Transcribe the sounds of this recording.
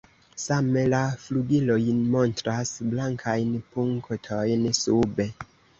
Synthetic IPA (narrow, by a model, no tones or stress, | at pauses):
same̞lafluɡilo̞jnmo̞ntɾasblaŋkʰajnpuŋktʰojnsube̞